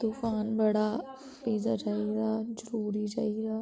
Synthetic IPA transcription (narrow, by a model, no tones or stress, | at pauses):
d̪̥ufaːnbɐɽa | peːzat͡ʃaːɦiɾaːzəɾuːɾit͡ʃa̰ːidaː